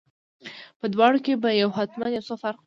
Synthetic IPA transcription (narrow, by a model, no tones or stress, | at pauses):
pəd̪wɑɽokebajawɦat̪manjawsofaɾq